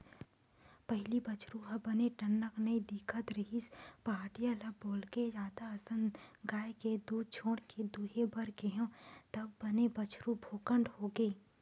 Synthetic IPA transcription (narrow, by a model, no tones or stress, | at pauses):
pəɦɪlibɐt͡ʃɾuɦɐbɐneʈɐnːəknəid̪ɪkʰət̪ɾɐɦɪspaːʈijalɐboːlɡed͡ʒaːd̪aɐsə̃nɡaːjked̪uːd̪̚t͡ʃʰõːɽked̪uːɦebɐɾkeɦõt̪ɐbːɐnebɐt͡ʃɾubʱoːkəɳɖhoːɡeː